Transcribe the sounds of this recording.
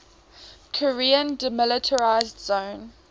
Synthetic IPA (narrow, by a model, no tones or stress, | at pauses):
kʰɔɹiːə̃ndəmɪlɪtʰəɹaɪzdzõʊ̃n